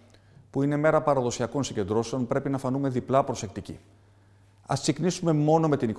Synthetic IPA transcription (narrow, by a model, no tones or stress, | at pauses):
puine̞me̞ɾɐpɐɾɐðo̞siɐko̞nsiɲɟe̞nd̪ɾo̞se̞o̞npɾe̞pinɐfɐnume̞ðiplɐpɾo̞se̞kt̪icḭ | ɐ̰ssiknisume̞mo̞no̞me̞t̪inik